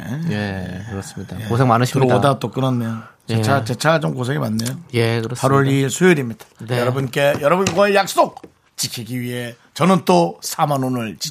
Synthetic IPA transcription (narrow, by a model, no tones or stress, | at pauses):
jḛjeɯɾʌs͈ɯmɲidajeosʰeŋmanɯɕʰiɾʌɡddat͈ok͈ɯnʌnːejo | t͡ɕet͡ɕʰat͡ɕe̞t͡ɕʰaɡat͡ɕomkos̬ʰe̞ŋimanːejojekɯpaɾoɾisʰujoɾimɲid̥ḁjʌɾʌbunk͈e̞jʌɾʌbɯnɡwʌejak̚s͈ok̚ | t͡ɕikʰiɡiɥiɦe̞ | t͡ɕʌnɯnt͈osʰamanonɯɭt͡ɕi